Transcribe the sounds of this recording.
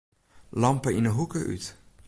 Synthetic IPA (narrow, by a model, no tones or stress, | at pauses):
lɑmpəɪnəɦukəʔy̰t